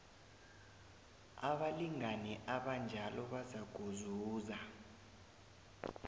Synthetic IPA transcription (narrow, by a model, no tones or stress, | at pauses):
aɓaliŋanɛʔaɓand͡ʒʱalɔɓazaɡ̥ʱuzuːza